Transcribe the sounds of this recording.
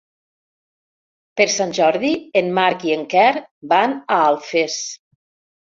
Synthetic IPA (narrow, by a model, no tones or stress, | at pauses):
peɾsanʲʒɔɾðienmaɾkieŋkɛɾbanaalˠfes